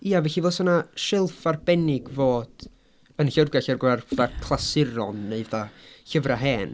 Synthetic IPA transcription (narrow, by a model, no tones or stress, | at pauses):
iːavɛçivɛːsɔnaʃɪlˠfarbɛnɪɡvoːd̥ | ənɬərɡaɬɛrɡarðakʰlˠasɪɾɔnːeɨðaɬəvraɦɛːn